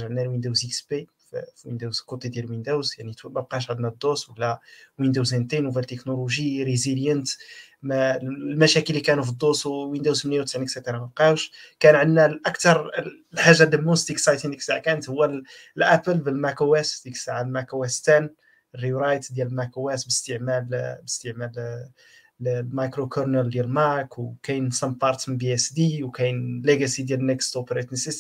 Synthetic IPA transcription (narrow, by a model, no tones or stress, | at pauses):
ʒʕənːælwind̪owzikspi | ffwind̪uwzkut̪ːˤid̪jælwind̪uwzjaʕnit̪mæb̚qɑʃ̬ʕəd̪næd̪ˤːoswəlːæwind̪uzænt̪inwfilt̪ːeknoluʒiɾeziljənt̪ | mlmæʃækəlːikænufid̪ˤːoswwind̪uwzmnjæwt̪sʕniksæt̪əɾˤɑmæb̚qɑwʃkænʕənːælʔækt̪ɑɾˤ | lħaʒːad̪əmːust̪iksɑjt̪inəksaʕkænət̪hʊwːæl | lʔæpəlbəlmækowæsd̪iksaʕalmækowæst̪æn | rːiuɾɑjt̪d̪jællmækuwæsbəst̪əʕmælbəst̪əʕmæl | mɑjkɾokʰoɾnəld̪jælmɑɾkwkæjnsɑmpɑɾˤt̪mbiɛsd̪iwkæjnleɡæsid̪jælnekst̪opɾet̪nəsis